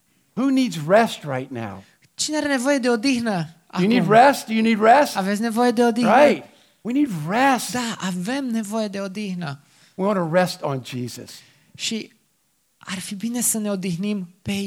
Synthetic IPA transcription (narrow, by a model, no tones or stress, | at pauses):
hunid̪zɹɛst̚ɹaɪtⁿna̰ʊ | t͡ʃineaɾe̞ne̞vo̞jed̪e̞od̪ixnə | aɨjɨnid̚ɹɛsd̥ɨjɨnid̚ɹɛstavet̪sʲne̞vo̞jed̪e̞od̪iaɪt̚ | winid̚ɹɛsd̪̥aave̞mne̞vo̞jed̪e̞od̪ixnə | wiwɑ̃nəɹɛstn̩d͡ʒizɨ̰s | ʃi | arfibine̞səne̞od̪ixnimpe